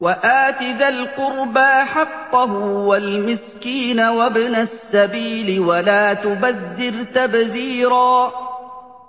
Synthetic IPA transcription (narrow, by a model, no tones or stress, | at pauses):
waʔaːt̪ɪðalqʊɾbaːħɑqːɑɦʊwalmɪskiːnawabnasːabiːlɪwalaːt̪ʊbaðːɪɾt̪abðiːɾaː